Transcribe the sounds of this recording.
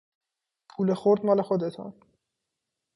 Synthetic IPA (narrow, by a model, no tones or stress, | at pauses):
pʰuːlexoɾd̪mɒːle̞xod̪et̪ʰɒ̰n